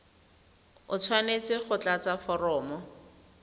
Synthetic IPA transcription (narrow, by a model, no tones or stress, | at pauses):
ʊt͡sʰwanet͡sɪχʊt͡ɬat͡safɔrɔːmɔ